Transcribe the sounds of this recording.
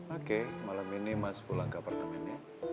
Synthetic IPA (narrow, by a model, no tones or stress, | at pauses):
okemalaminimaspulaŋkapart̪əmɛni